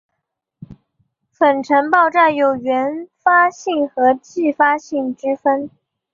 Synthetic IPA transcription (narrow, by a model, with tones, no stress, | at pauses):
fə˨˩nʈ͡ʂʰə˧˥npɑ˥˧ʊʈ͡ʂa˥˩njo˨˩ʊɥɛ˧˥nfa˥ɕi˥˩ŋxɤ˧˥t͡ɕi˥˩fa˥ɕi˥˩ŋʈ͡ʂɻ̩˥fə˥n